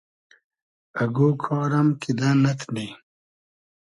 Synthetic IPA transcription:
ɐɡoːkʰɔːɾɐmkid̪aːnɐt̪ʰdi

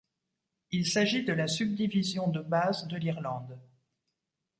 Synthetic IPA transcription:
ilsaʒid̪əlasyb̚d̪ivizjɔ̃d̪əbazd̪əliʁlɑ̃d̪

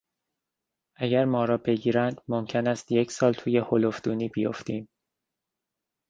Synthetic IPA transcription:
ʔæɟæɾmɒːɾɒːbe̞ɟiːɾænd̪̥momcʰe̞næst̪je̞cʰsɒːlt̪ʰuːje̞holofd̪uːniːbijo̞̰ft̪iːm

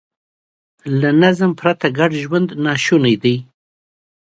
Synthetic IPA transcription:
lanazmpɾat̪aɡaɖʒwand̪nɑʃunajd̪aj

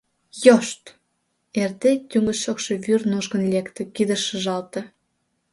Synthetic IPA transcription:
joʃt̪ | erd̪et̪ʲyŋə̆ʃokʃeβyrnoʒɣə̆nlʲekt̪ĕkid̪ə̆ʃə̆ʒɑlt̪ɤ̆

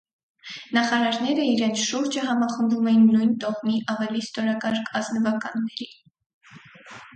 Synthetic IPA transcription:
nɑχɑɾɑɾnɛɾəiɾɛnt͡sʰʃuɾd͡ʒəɦɑmɑχənd̪umɛjinːujnt̪ɔχmiʔɑvɛlist̪ɔɾɑkɑɾkʰɑznəvɑkɑnːɛɾi

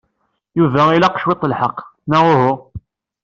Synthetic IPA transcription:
juvæilaqʃwɪt̪ˤːəlħɑqːnaʁʊɦʊ

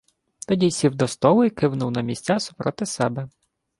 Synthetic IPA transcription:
t̪ɔdʲisʲiwd̪ɔst̪ɔlˠʊjkɪwnʊwnɐmʲisʲt͡sʲasʊ̥pɾɔt̪ɪsɛbɛ

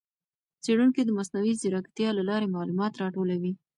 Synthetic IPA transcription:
t͡seɽunked̪əmasnawizɪɾɑkḁt̪jɑlalɑɾemɑlumɑt̪ɾɑʈolawi

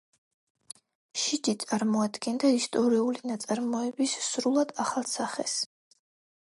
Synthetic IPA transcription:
ʃid͡ʒit̪sʼaɾmɔad̪ɡɛnd̪aist̪ʼɔɾiulinat̪sʼaɾmɔɛbisːɾulˠad̪aχalˠsaχɛ̰s

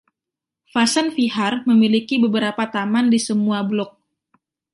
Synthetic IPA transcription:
fasanfiɦarməmilikibəbəɾapat̪amandisəmuablɔk̚

